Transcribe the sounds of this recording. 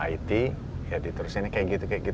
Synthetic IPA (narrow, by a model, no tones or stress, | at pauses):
a̰it̪i | jadit̪əɾusɪnikajaʔɡit̪ukajaʔɡit̪